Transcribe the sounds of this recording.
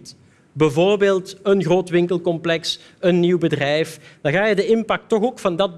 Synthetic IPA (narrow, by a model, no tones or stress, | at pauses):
t | bəvoːrbeːlˠtənɣroːtʋɪŋkəlˠkɔmplɛks | ənːiwbədrɛjfd̥ɑɣaːjədəɪmpɑk̚tːɔxoːkfɑndɑd̚b